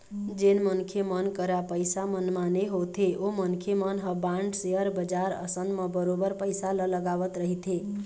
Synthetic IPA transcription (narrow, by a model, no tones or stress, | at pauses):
d͡ʒenmənkʰemənkəɾapəjsamənmaneɦot̪ʰeʔomənkʰemənɦəbaɳɖseəɾbəd͡ʒaɾə̰sənməbəɾobəɾpəjsalələɡaʋət̪ɾəɦit̪ʰe